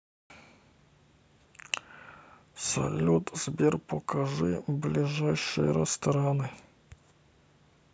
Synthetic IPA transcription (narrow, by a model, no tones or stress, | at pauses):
sɐ̰lʲːut̪z̥bʲirpɔkɐʐɨblʲɪʐajʂɨ̰jə̰ɾɛst̪ɐɾanɨ